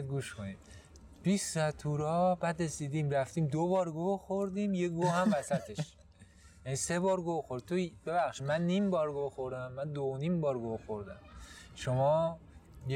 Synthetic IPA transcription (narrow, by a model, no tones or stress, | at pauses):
ɡuːʃkʰonid | b̥issæt̪ʰuːɾɒːbæd̪resiːd̪iːmɾæft̪iːmd̪obɒːɾɡoxoɾd̪iːmjeɡohæmvæsæt̪ʰe̞ʃʃ | jæniːsebɒːɾɡoxoɾd̪̚t̪ʰobe̞βæxʃid̪mænːiːmbɒːɾɡoxoɾd̪æmːænd̪oonimbɒːɾɡoxoɾd̪æmʃomɒːj